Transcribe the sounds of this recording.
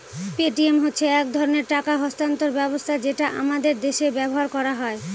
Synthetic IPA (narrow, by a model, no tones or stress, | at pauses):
peʈiemɦotːɕʰeɛkd̪ʱɔɾoneɾʈakaɦɔst̪ant̪oɾbɛbost̪ʰad͡ʑeʈaʔa̰mad̪eɾd̪eʃebɛboɦaɾkɔɾaɦɔe